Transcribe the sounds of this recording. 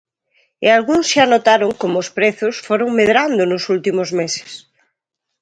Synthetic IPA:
ḛalɣuŋsʃanot̪aɾoŋkomoːspɾeθosfoɾoŋmeðɾand̪onosult̪imozmese̥s

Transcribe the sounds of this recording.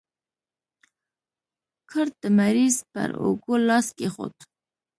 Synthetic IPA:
kʰəɾ̚d̪̥əmaɾizpə̰ɾo̰ɡolɑskexo̰t̪

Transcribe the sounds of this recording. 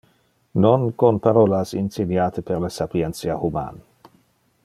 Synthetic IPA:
nonkonpaɾolasinsidjaːt̪epeɾlasapjent͡sjahuma̰n

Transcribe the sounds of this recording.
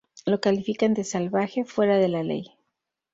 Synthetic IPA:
lo̞kalifikand̪e̞salβaxe̞fwe̞ɾaðe̞lale̞̰j

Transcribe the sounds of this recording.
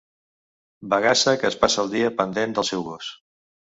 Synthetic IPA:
bəɣasəkəːspasəːlˠd̪iəpənd̪end̪əlˠsɛwɣos

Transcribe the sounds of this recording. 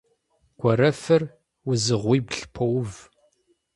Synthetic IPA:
ɡ̥ʷɔɾɐfɐr | wʊzɨʁʷiːbɬpʰɐwv

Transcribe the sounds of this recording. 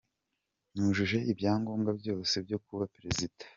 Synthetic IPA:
nuːʒuʒe̞ʔibjaːŋɡoːmɡabjo̞ːse̞bjo̞kuβapɾezid̥ḁ

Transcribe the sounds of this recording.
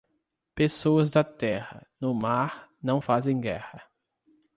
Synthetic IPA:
pesoɐzd̪ɐt̪ɛhɐ̰nʊmaɾnɐ̃w̃fazẽj̃ɡɛhɐ

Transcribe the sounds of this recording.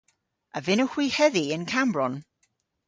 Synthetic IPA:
əvɪnəxw̥iːhɛðiənkʰambrɔn

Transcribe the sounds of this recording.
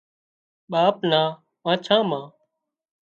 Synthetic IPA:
ɓaːpnãː | mãːt͡ʃʰãːmãː

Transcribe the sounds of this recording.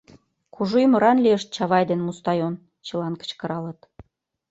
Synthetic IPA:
kuʒujmə̆ɾɑnlʲieʃt̪̚t͡ɕɑβɑjd̪enmust̪ɑjon | t͡ɕə̆lɑnkə̥t͡ɕkə̆ɾɑlə̆t̪

